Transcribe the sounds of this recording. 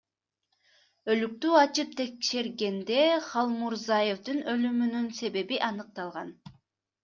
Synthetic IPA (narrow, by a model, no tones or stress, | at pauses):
ø̞lyk̚t̪yːɑt͡ʃɯp̚t̪ʰe̞kʃe̞ɾɡe̞nd̪e̞χɑlˠmuɾzɑjefd̪ɯnø̞lymynynse̞βe̞βiʔɑnɯq̚t̪ɑlˠʁɑn